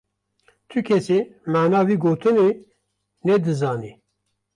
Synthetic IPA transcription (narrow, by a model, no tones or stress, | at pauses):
t̪ʰukʰɛsimaːnɑːviːɡoːt̪ʰɨne | nɛd̪ɨzɑːni